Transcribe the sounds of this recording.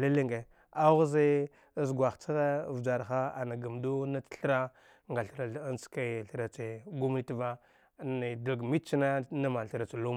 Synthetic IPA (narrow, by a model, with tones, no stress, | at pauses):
le˦li˦ŋɡe˨ | a˦ɣu˦ze˦ | zɡwa˨xt͡sa˦ɣa˦˨vd͡ʒa˨ɾxa˦a˨na˨ɡa˨mdu˦na˦tɬɾa˦ | ŋɡa˨ɬɾa˨a˦nt͡ska˦˨ɬɾa˨t͡se˨ɡu˦m˦i˦ti˦va˦ | na˨di˨lɡmi˦t͡ʃi˦na˦na˦ma˨ɬə˨ɾa˨t͡sa˨lu˦m